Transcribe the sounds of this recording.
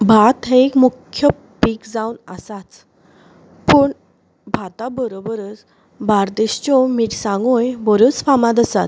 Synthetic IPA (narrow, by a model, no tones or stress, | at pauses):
bʱat̪ɦeːkmukʰːjə | pikd͡zawnə̰sat͡s | pəɳ | bʱat̪abəɾobəɾət͡s | baɾd̪eɕt͡ɕɔmiʈsãŋɡojbəɾut͡sfamãd̪əsat̪